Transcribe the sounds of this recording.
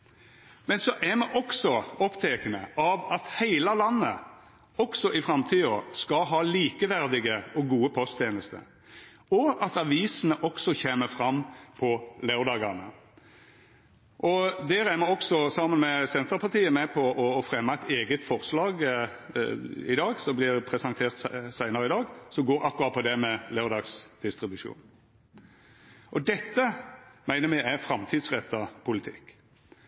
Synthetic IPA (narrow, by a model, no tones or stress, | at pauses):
mɛnsɔʔæmɛʔɔksɔɔpt̪ʰɛːkənəʔɑʋɑt̪hæɪlɑlɑnːə | ɔksɔʔɪfɾɑmt̪ʰiːɔskɑɦɑːliːkəʋæʁd̪ɪɡəɔɡuːəpʰɔst̪ʰjeːnəst̪ə̰ | ɔɑt̪ɑʋiːsənəʔɔksɔçeːməfɾɑmːpʰɔlæʉd̪ɑːɡɑʁnə̰ | ʔɔd̪æːɾæmɛɔksɔsɑmːənmɛsɛnt̪əɾpʰɑt̪iːəmɛpʰɔʔɔːfɾɛmːɑɛɪt̪eːɡət̪fɔʁslɑːɡ | ɪd̪ɑːɡsɔmblɪɾpʰɾɛsɑnt̪ʰeːʁt̪sæɪnəɾəɪd̪ɑːɡsɔɡoːɾɑkːʉʁɑt̪̚pʰɔd̪ɛmɛlɑʉɾd̪ɑːɡsd̪̥ɪst̪ɾɪbʉʂṵːn | ʔɔd̪ɛt̪ːəmæɪnəɾmæɪæfɾɑmt̪ʰiːd̪sʁɛt̪ʰːɑpʰʊlɪt̪ʰɪ̰kː